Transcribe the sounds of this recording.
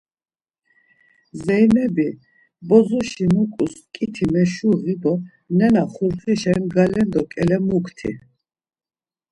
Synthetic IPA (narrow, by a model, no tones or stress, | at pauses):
zɛjnɛbi | bɔzɔʃimukʼuskʼit̪ʰimɛʃuʁibɔ | nɛnaχuɾχiʃaimɡalɛnd̪ɔkʼɛlɛmukʰt̪ʰḭ